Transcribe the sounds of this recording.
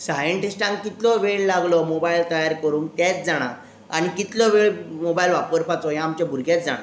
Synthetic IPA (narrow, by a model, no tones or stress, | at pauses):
sajəɳʈisʈãŋkkit̪lɔʋeɭlaɡlɔmobailt̪əjaɾkəɾuːnt̪at͡sd͡zaɽ̃a̰ | a̰ɽ̃ikit̪lɔʋeɭmobailʋapəɾpat͡sɔjãaːmt͡ɕabʱuɾɡʱjat͡sd͡za̰ɽ̃a